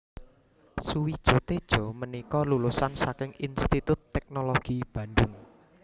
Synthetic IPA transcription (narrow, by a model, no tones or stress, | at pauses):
suwid̥ʒ̥ɔ̤t̪ed̥ʒ̥ɔ̤mənikɔlulusansakɪŋinst̪it̪ʊt̪ːɛk̚noloɡ̥ib̥a̤nd̪ʊŋ